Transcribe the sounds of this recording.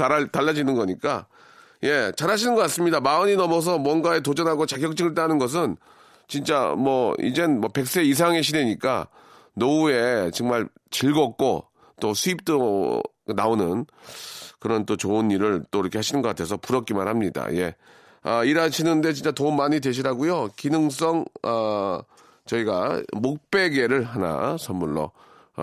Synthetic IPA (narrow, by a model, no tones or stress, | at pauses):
tataɭːad͡ʑinɯnɡʌɲik͈a | je̞t͡ɕaɾɦaɕʰinɯnɡʌk͈ats͈ɯmɲidamaɯɲinʌmʌs̬ʰʌmwʌnɡae̞t̬od͡ʑʌnɦaɡot͡ɕaɡjʌk̚t͡ɕ͈iɡɯɭt͈anɯnɡʌs̬ʰɯn | t͡ɕint͡ɕ͈a̰mʌḭd͡ʑenmʌpe̞k̚s͈eis̬ʰaŋɦe̞ɕ̬ʰideɲik͈a̰ | noue̞t͡ɕɯŋmaɭ | t͡ɕiɭɡʌk̚k͈o̰ | t͈osʰuip̚t͈o | naonɯn | kɯɾʌnt͈ot͡ɕoɯnːiɾɯɭt͈oiɾʌkʰe̞ɦaɕʰinɯnɡʌk͈atʰe̞sʰʌpuɾʌk͈̚imaɾhamɲida̰je̞ | ʌiɾaɕʰinɯnde̞t͡ɕint͡ɕ͈atoɯmmaɲidwe̞ɕ̬ʰiɾaɡujokinɯŋs͈ʌŋʌ | t͡ɕʌiɡamok̚p͈e̞ɡe̞ɾɯɭɦana̰sʰʌmːuɭːo̰